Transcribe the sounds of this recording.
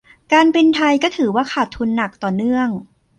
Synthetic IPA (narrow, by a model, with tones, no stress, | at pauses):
kaː˧npe˧nt̪ʰa˧jkɔː˥˩t̪ʰɯː˩˦waː˥˩kʰaː˨˩t̪ʰːu˧nːa˨˩k̚t̪ɔː˨˩nɯ˥˩əŋ